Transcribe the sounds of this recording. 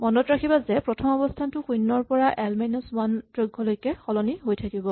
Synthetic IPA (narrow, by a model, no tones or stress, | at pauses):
mɔndɔtɹakʰibazɛpɹɔtʰɔmɔbɔstʰantʊxujnːɔɹpɔɹaʔɛlmajnɔswandɹoɡʱːɔlojkɛxɔlɔniɦojtʰakibɔ